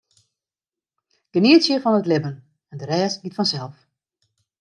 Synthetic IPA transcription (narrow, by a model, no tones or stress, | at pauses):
ɡ̥əniətsjəfɔnətlɪbən | ɛndəɾɛːsɡitfɔnsɛlˠf